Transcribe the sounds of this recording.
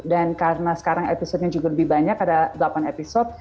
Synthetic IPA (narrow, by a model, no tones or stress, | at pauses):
dankarənasə̥kaɾaŋepisɔt̪̚ɲad͡ʒuɡaləbɪhbaɲakːadadəlapanepisɔt̪̚